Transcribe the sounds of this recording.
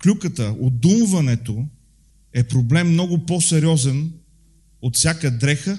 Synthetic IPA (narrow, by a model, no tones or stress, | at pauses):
klʲukət̪əod̪umvɐnɛt̪o | ɛpɾoblɛmːnɔɡʊpɔsɛɾiɔzən | ot̪fsʲjakəd̪ɾɛxə